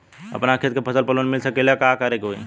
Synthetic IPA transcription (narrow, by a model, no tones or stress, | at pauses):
ə̰pnakʰet̪̚kepʰəsəlpəlonmilsəkelakakəɾekɦoi